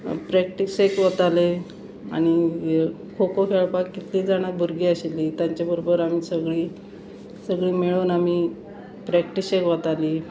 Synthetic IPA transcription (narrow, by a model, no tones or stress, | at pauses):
pɾɛkʈisekʋət̪ale | a̰ɽ̃i | kʰokokʰeɭpakːit̪liːd͡zaɽ̃at̪̚bʱuɾɡiːəɕelːit̪jãɲt͡ɕjabəɾobəɾamisəɡɭiː | səɡɭiːmeɭoːnami | pɾɛkʈisekʋət̪aliː